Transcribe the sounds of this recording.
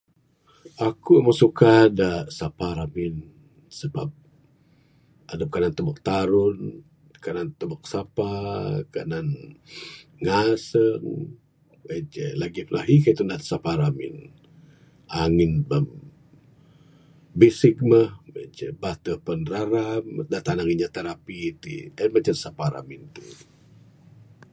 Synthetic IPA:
ʔakuməsukadaʔsapaɾamɪn | səba̰p̚ | adəp̚kanant̪əbək̚t̪aɾʊn | kanant̪əbak̚sapakanan | ŋasəŋ | bet͡ʃɛ̰laɡiplaɦikait̪undasapaɾamɪ̰n | ʔaŋɪnbəm | besɪk̚məhbḛd͡ʒɛ̰bat̪əpənɾaɾamdat̪anaŋiɲat̪eɾapit̪ḭəmat͡ʃansapaɾa̰mint̪ṵ

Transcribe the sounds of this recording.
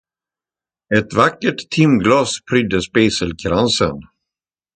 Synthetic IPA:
ɛt̪vakːəʈt̪ʰːɪmɡlɑːspʰɾʏd̪əspeːsəlkʰɾansə̰n

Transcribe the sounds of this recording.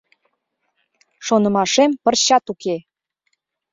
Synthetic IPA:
ʃonə̆mɑʃempə̆rɕɑt̪uke

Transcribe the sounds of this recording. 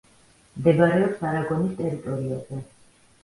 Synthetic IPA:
md̪ɛbaɾɛɔpsaɾaɡɔnist̪ʼɛɾit̪ʼɔɾiazɛ

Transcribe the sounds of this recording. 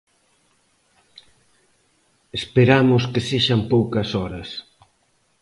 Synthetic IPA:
espeɾamʊskeseʃɐmpowkɐsɔɾɐs

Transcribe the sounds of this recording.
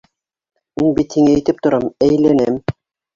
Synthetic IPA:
minbit̪hiŋæːjt̪ɘp̚t̪ŏɾɑmæjlænɘm

